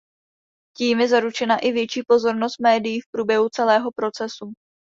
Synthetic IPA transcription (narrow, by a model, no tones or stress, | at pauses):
ciːmjɛzaɾut͡ʃɛnaʔɪvjɛt͡ʃiːpo̞zo̞ɾno̞st̪̚mɛːdɪjiːfpɾuːbjɛɦut͡sɛlɛːɦo̞pɾot͡sɛsu